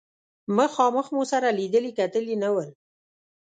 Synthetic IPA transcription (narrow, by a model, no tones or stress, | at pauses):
məxɑməxmosaɾalid̪əlikat̪əlinawəl